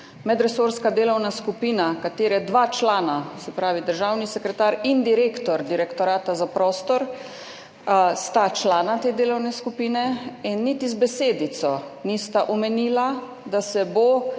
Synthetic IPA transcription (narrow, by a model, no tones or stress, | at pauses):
mɛd̪ɾɛsoɾskad̪eːlɔwnaskupiːnakat̪eːɾɛd̪ʋaːt͡ʃlaːnasɛpɾaːʋid̪əɾʒaːwnisɛkɾɛt̪aːɾind̪iɾeːkt̪ɔɾd̪iɾɛkt̪ɔɾaːt̪azapɾɔːst̪ɔɾ | st̪at͡ʃlaːnat̪eːd̪eːlɔwnɛskupiːnɛinːit̪izbɛseːd̪it̪sɔnist̪aʔɔmɛniːla | d̪asɛbo